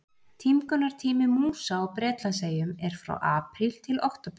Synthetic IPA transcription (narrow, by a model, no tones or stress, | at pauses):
t̪ʰimkœnːaɾ̥t̪ʰiːmɪmuːsawɔpɾɛːt̪laseːjʏmɛɾ̥fɾa̰wʔaːpɾilt̪ʰɪlo̰wht̪ap